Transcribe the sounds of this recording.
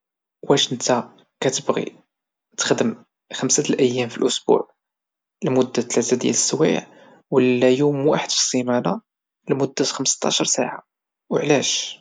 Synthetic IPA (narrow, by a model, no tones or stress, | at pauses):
wæʃənt̪ɑ | kæt̪əbɣḭ | t̪ə̥xd̪əm | xəmsət̪lʔæjːæmfilʔʊsb̥ṵʕ | lmʊd̪ːæt̪læʕt̪æd̪jæ̰ləsːwḭʕ | wəlːæjumwaħəd̪fi̥sˤːimæna | lmʊd̪ːæt̪xəmst̪ɑ̰ʃəɾˤsa̰ʕa̰ | wəʕlæʃ